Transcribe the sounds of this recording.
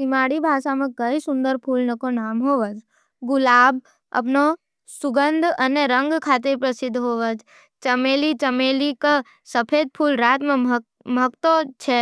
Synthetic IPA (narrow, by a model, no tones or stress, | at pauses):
ɪmaːɽibʱaːʃamẽkɐisʊ̃nd̪əɾpʰuːlnəkonaːmɦoːʋəd͡ʒ | ɡʊlaːb | ɐ̰pno | sʊɡənd̪ʱɐneɾə̃ŋɡkʰaːt̪̬epɾəsɪd̪ʱːɦoːʋəd͡ʒ | t͡ʃɐmeːlit͡ʃəmeːlika | səpʰeːd̪̚pʰuːlɾaːt̪mẽ | məkt̪ot͡ʃʰe